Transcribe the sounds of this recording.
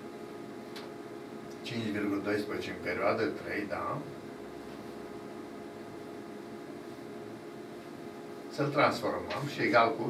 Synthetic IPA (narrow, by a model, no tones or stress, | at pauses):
t͡ʃint͡ʃvirɡuləd̪o̞jspɾezt͡ʃʲeɨmpe̞ɾʲioad̪ət̪ɾḛjd̪a̰ | səlt̪ɾansfo̞rməmʃieɡalku